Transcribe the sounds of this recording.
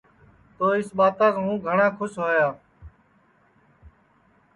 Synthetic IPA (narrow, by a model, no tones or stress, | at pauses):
t̪oːɪsɓaːt̪ãːkːɦũːɡʱəɳãːkʰʊsɦoːjaː